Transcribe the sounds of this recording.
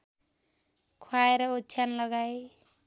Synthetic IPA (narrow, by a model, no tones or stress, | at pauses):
kʰwaeɾʌot͡ʃʰjanlʌɡae